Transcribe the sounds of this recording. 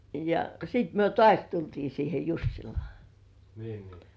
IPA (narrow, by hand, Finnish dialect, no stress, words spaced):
jɑ sit myø tŏɑˑsʲ tultiː siːhe jusːilŏɑˑ niː